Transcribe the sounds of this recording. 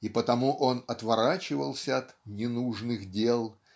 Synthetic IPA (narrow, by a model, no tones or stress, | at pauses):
ipət̪ɐmuʔo̞nɐt̪vɐɾat͡ɕɪvəlˠsʲəɐt̪nʲɪnuʐnɨxdʲe̞lˠ